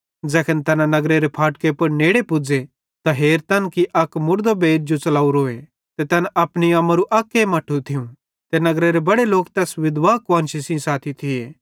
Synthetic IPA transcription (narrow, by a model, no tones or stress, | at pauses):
d͡zɛːkʰənt̪ɐnãnɐɡɾeɾepʰaːʈ̚kepɐɾneːɽepʊd͡ze | t̪aɦeːɾt̪ɐnkiʔɐkmʊɾd̪obeːɾd͡ʒot͡sɐlaːuɾoːe | t̪et̪ɐnɐpniɐːmaɾuʔɐkːemɐʈʰːut̪ʰɪũ | t̪enɐɡɾeɾebɐɽeloːkt̪ɛːsʋɪd̪ʋaːkãːnʃisĩsaːt̪ʰit̪ʰɪeː